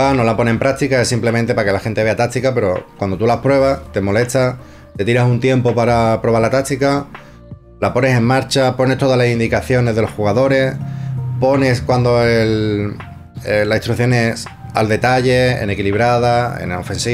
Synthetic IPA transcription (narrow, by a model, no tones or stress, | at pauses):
ano̞lapo̞nẽ̞ːmpɾak̚t̪ikaesimple̞mẽnt̪e̞pake̞laxe̞nt̪ee̞at̪ak̚t̪ikape̞ɾo̞kwand̪o̞t̪ulapɾwe̞βast̪e̞mo̞le̞t̪a | t̪e̞t̪iɾasunt̪je̞mpo̞paɾapɾo̞βaɾlat̪ak̚t̪ika | lapo̞ne̞se̞ŋmaɾt͡ʃapo̞ne̞st̪oalasind̪ikaθjo̞ne̞zðeo̞sxuɣaðo̞ɾe̞spo̞ne̞skwand̪o̞el | elait̪ɾuθjo̞nesa̰ld̪e̞t̪aʝe̞ḛne̞kiliβ̞ɾaðaḛno̞fe̞nsi